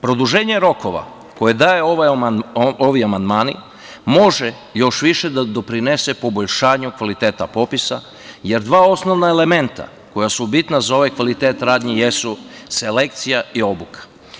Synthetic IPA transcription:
pɾo̞d̪uʒeːɲe̞ɾo̞ko̞ʋa̰ | ko̞je̞d̪aje̞o̞ʋaj | oʋiamand̪maːni | mo̞ʒe | jo̞ʃʋiʃe̞d̪ad̪o̞pɾine̞se̞po̞bo̞ʎʲʃaːɲukʋalit̪e̞ːt̪apo̞pisa | je̞ɾd̪ʋaːo̞sno̞ʋnaele̞me̞nt̪a̰ | ko̞jasubit̪nazao̞ʋajkʋalit̪eːt̪ɾaːd̪ɲije̞suse̞le̞k̚t̪sijaio̞bukʰḁ

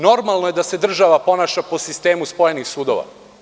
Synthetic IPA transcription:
no̞ɾmalˠnoje̞d̪ased̪r̩ʒaʋapo̞naːʃapo̞sist̪e̞ːmuspo̞jenixsuːd̪o̞̰ʋa̰

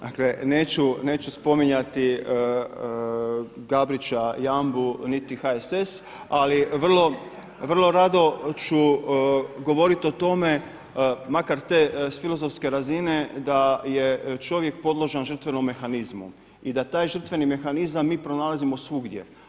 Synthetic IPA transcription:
d̪akle̞ne̞ːt͡ɕune̞ːt͡ɕuspo̞miɲat̪i | ɡabɾit͡ɕajambunit̪ixaeses | aliʋr̩lˠo̞ | ʋr̩lˠo̞ɾad̪o̞t͡ʃu | ɡo̞ʋo̞ɾit̪iot̪o̞me̞ | makaɾt̪e̞ːsfilˠo̞zo̞fske̞ɾazine̞d̪ajet͡ʃo̞ʋje̞k̚po̞d̪lˠoʒanʒər̩t̪ʋe̞no̞mːe̞xanizmṵ | id̪at̪aːjʒər̩t̪ʋe̞nime̞xanizamːiːpɾo̞nalazimo̞sʋuɡd̪je̞̰

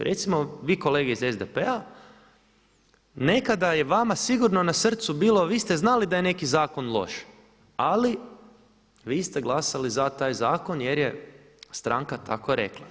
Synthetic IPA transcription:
ɾʔḛt̪simo̞ʋiːko̞leːɡeizezd̪epea | ne̞kad̪aje̞ʋamasiɡuɾno̞nasr̩t̪subiːlˠo̞ʋiːst̪eznalid̪aje̞ne̞kizaːko̞nlˠo̞̰ʃ | ali | ʋiːst̪e̞ɡlˠasalizat̪aːjzaːko̞nje̞ɾje | st̪ɾaŋkat̪ʰa̰koɾe̞̰klˠa̰

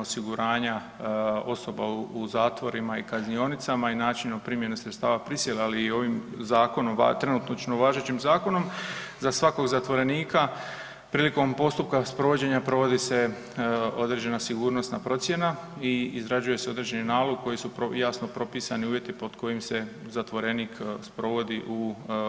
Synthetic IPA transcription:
osiɡuɾaːɲa | o̞so̞ba̰uuzaːt̪ʋo̞ɾimaikaznio̞nit̪samainaːt͡ɕinopɾimje̞nusɾet̪st̪aːʋapɾisjelaliːo̞ʋimzaːko̞noma̰t̪ɾe̞nuːt̪not͡ʃnoʋaːʒe̞t͡ɕimzaːko̞no̞mzasʋako̞ɡzat̪ʋo̞ɾe̞niːka | pɾiːliko̞mpo̞st̪upkaspɾo̞ʋo̞d͡ʑe̞ɲapɾo̞ʋo̞d̪ise̞ | o̞d̪ɾe̞d͡ʑe̞nasiɡuːɾno̞st̪napɾo̞t̪sʲje̞naiizɾad͡ʑuje̞se̞o̞d̪ɾe̞d͡ʑe̞ninaːlo̞ɡ̚kʰo̞jisupojasno̞pɾo̞piːsaniuːʋje̞t̪ipo̞d̪ko̞jimse̞ | zat̪ʋo̞ɾe̞niːkspɾo̞ʋo̞d̪iʔu

